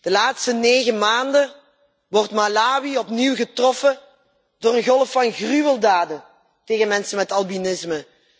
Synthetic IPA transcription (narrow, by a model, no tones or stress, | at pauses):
d̥əlaːtstəneːɣəmaːndə | ʋɔrtmalaːwiɔpniwɣətrɔfə | d̥oːrənɣɔlˠəfːɑnɣryʋəlˠdaːdə | teːɣənmɛnsəmɛtɑlˠbinɪsmə